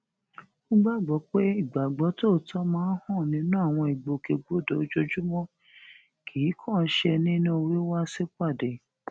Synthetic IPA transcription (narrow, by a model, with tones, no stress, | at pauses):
u˦ɡ͡ba˦˨ɡ͡bɔ˨˦k͡pe˦i˦˨ɡ͡ba˨ɡ͡bɔ˨˦to˦˨tʰɔ˦mãː˦hɔ̃˦˨nĩ˨˦nũ˦a˦˨w̃ɔ̃˧i˨ɡ͡bo˨ke˧ɡ͡bo˦˨do˨o˦d͡ʒo˧d͡ʒu˦mɔ̃˦ | kʰi˨˦kʰɔ̃˦˨˦ʃe˧nĩ˦nũ˦o˧wi˦wa˦si˦k͡pa˦˨de˨